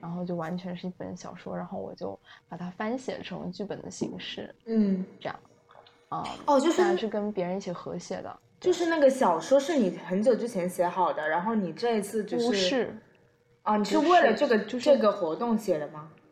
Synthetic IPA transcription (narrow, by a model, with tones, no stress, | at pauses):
ɻa˧˥nxo˥˧ʊt͡ɕjo˥˩ʊwa˧˥nt͡ɕʰɥɛ˧˥nʂɻ̩˥˩˧i˥˩pə̰˧˥nɕjɑ̰˨˩ʊʂwɔ̰˥ɻa˧˥nxo˥˩ʊwɔ̰˨˩t͡ɕjo˥˩ʊpa˨˩t̪ʰa˥fa˥nɕjɛ̰˨˩ʈ͡ʂʰɤ̰˧˥ŋ˧t͡ɕy˥˩pə˨˩nd̪ə˦ɕḭ˧˥ŋʂɻ̩˥˩n̩˥˩ʈ͡ʂɤ˥˧jɑ̰˥˩ŋ | ə̰˥˧ɔ˥˧t͡ɕjo˥˧ʊʂɻ̩˥˧ʂɻ̩˥˩kə˥npjɛ˧˥ɻə˧ni˥˩ɕjɛ˥˩xɤ˧˥ɕjɛ̰˨˩d̪ə̰˦ | t͡ɕjo˥˧ʊʂɻ̩˥˧na˥˩ɡə˩ɕjɑ˨˩ʊʂwɔ˥ʂɻ̩˥˩ni˨˩xə˧˥nt͡ɕjo˨˩ʊʈ͡ʂɻ̩˥t͡ɕʰjɛ˧˥nɕjɛ˧˥xɑ˨˩ʊd̪ə˦ɻa˧˥nxo˥˩ʊni˨˩ʈ͡ʂɤ˥˧i˥t͡sʰɹ̩˥˧t͡ɕjo˥˧ʊ˥ʂɻ̩ʂɻ̩˥˩ | ə˧˩ni˨˩ʂɻ̩˥˧we˥˩ɪlə˩ʈ͡ʂɤ˥˩ɡə˩t͡ɕo˥˧ʊʈ͡ʂɤ˥˩ɡə˨˩xwɔ˧˥t̪ʊ˥˩ŋɕjɛ˨˩d̪ə˦mɐ˩